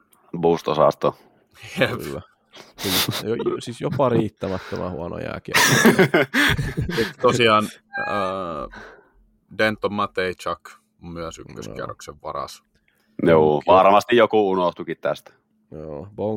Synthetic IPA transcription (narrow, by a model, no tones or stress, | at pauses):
buːst̪osɑ̰st̪o | eː | ljosisjopɑriːt̪ːæmæt̪ːømæ̰hṵɑno̰jæ̰ːˑki | it̪ːt̪osiɑːnə | dent̪ːomːɑt̪eit͡ʃɑk | myøsykːø̰sḭæ̰rːo̰kseʋʋɑrɑ̰s | juːʋɑrmɑst̪ijjokuunoht̪ukit̪t̪æ̰st̪ | joːboŋ